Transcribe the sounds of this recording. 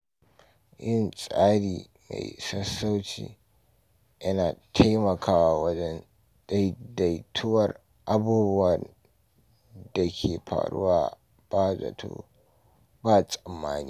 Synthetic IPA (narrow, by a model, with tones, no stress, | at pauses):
jɪ˦nsʼaː˦ɽiː˨ | ma̰˨jsɐ˦sːa˦wt͡ʃḭː˨ | jɐ˦naː˨tʰa˦jmɐ˨kʰaː˦wa˨wɐ˦d͡ʒɛ˦n | d̥a˦jda˨jtʰʊ˦wɐ˨r | ʔa˦buː˦bʊ˦wɐ˨ | da˨kʲʰeː˨ɸʰa̰ː˨ɽʊ̰˦waː˨ | b̥aː˦za̰˨tʰo̰ː˦ | baː˦sʼɐ˨mːaː˦niː˦